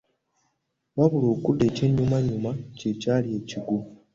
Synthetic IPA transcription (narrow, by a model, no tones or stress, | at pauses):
βaβuloːkudːe̞ːce̞ɲːumaɲumace̞caːlie̞ːciɡu